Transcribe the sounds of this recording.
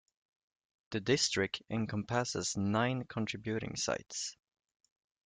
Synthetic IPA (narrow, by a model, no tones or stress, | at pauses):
ðədɪstɹ̥ɪk̚tɪ̃nkʰə̃mpʰæsəznãɪ̃nkʰə̃ntʰɹ̥ɪbjʉɾɪ̰̃ŋsa̰ɪts